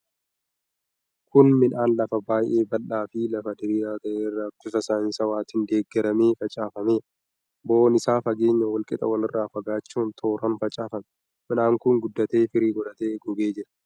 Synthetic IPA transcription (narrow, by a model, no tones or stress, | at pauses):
kʰʊnmɪnaːnlɐfɐbaːjʔeːbɐlʔaːfɪlɐfɐd̪ɪɾiːɾaːt̪ɐʔeːrːaːfɪfɐsaːnɪnsɐwaːt̪ɪnd̪e̞ːɡɛɾɐmeːfɐt͡ʃʼaːfɐmeː | boːnɪsaːfɐɡe̞ːɲːɐwɐlkʼɪt̪ʼɐ̰wɐnɪrːaːfɐɡaːt͡ʃːuːnt̪ʰo̞ːɾɐnfɐt͡ʃʼaːfɐm | mɪnaːŋkʊŋɡʊd̪ːɐt̪e̞ːfɪɾiːɡɔᶑɐt̪eːɡɔɡe̞ːd͡ʒɪɾɐ